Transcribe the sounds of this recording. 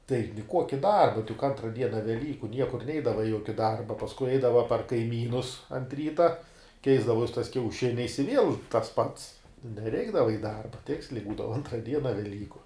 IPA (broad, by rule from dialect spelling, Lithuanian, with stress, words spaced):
tɐɪ nʲɪˈkuɔkʲɪ ˈdɐrbɐ tɐɪ jʊk ˈɐntrɐ ˈdʲiɛnɐ ʋʲɛˈlʲiːkʊ ˈnʲiɛkʊr ˈnʲɛɪdɐʋɐ ɪ ˈjuɔkʲɪ ˈdɐrbɐ pɐsˈkʊɪ ˈɐɪdɐʋɐ pɐr kɐɪˈmʲiːnʊs ɐnt ˈrʲiːtɐ ˈkʲɛɪzdɐʋoːs tɐɪs kʲɛʊˈʃʲɪnʲɛɪs ɪ ˈʋʲiɛlˠ tɐs pɐts nʲɛˈrʲɛɪɡdɐʋɐ ɪ ˈdɐrbɐ ˈtʲɪksʲlʲɛɪ ˈbuːdɐʋɐ ˈɐntrɐ ˈdʲiɛnɐ ʋʲɛˈlʲiːkʊ